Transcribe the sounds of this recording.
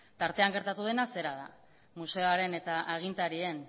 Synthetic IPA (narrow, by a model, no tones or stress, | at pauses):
t̪aɾt̪e̞aŋɡe̞ɾt̪at̪uð̞e̞nase̞ɾaða̰ | muse̞oaɾe̞ne̞t̪aʔaɣ̞int̪aɾie̞n